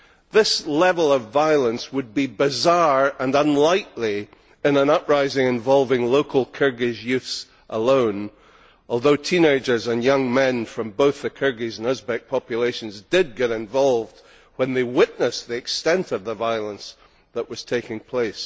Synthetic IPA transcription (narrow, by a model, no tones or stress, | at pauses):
ðɪslˠɛvəl̩ˠʌvaɪəlˠə̃nswəd̚bibɨzaɹə̃nə̃nlˠaɪʔlˠi | ɪ̃nə̃nʌʔɹaɪzɪ̃ŋɨ̃ɱvɔlˠvɪ̃ŋlˠoʊkʰəl̩ˠkʰɜ˞ɡɪʒjʉθs | ʔəlˠõʊ̃n | ʔɔlˠðoʊtʰĩneɪd͡ʒə˞zə̃njʌ̃ŋmɛ̃nfɹʌ̃mboʊθðɨkʰɜ˞ɡizə̃nɪzbɛk̚pʰɑpjɨlˠeɪʃɨ̃nzdɪd̚ɡɛɾɪ̃ɱvɔlˠvd̥̚ | wə̃nðewɪʔnəsðiɨkstɛ̃ntʌvðəvaɪəlˠə̃ns | ðəʔwʌz̥tʰeɪkɪ̃ŋpʰl̥eɪs